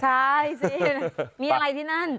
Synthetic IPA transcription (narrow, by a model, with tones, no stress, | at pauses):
tʰajsnmi˧a˧˦la˧jt̪i˧na˦n